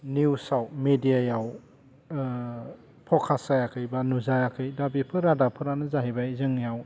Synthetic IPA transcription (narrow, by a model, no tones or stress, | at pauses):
niwsawmedijajaw | pʰɔkʰasajakʰɯjbanuzajakʰɯjdabipʰɯɾadapʰɯɾanɯzaɦibajzɯŋjaw